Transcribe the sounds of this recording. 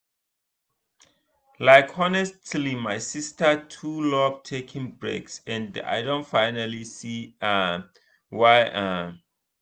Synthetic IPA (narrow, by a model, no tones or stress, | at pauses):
laɪkʰɔnɛstʰlimajsistʰətʰulɔbtʰekʰĩŋbɹḛksɛ̃nda̰jdõntfaɪnalisia | wajʔam